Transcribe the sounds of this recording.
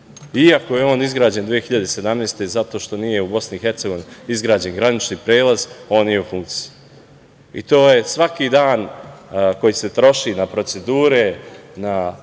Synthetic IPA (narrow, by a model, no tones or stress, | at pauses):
iako̞je̞o̞ːnizɡɾaːd͡ʑe̞nd̪ʋije̞xiʎad̪ese̞d̪amne̞ːst̪e̞zat̪o̞ːʃt̪o̞nije̞ubo̞sniixe̞ɾt̪seɡo̞ʋiniizɡɾaːd͡ʑe̞nɡɾanit͡ʃnipɾe̞ːlˠazo̞ːnijeufuŋktsi̥i | ḭt̪o̞ːjesʋakiːd̪aːn | ko̞jise̞t̪ɾo̞ʃinapɾo̞t̪se̞d̪uːɾena